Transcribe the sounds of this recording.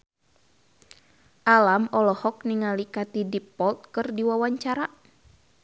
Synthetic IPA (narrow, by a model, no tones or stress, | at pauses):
ʔalamɔlɔhɔkniŋalikat̪idipɔlt̪̚kɨrdiwawaɲt͡ʃaɾa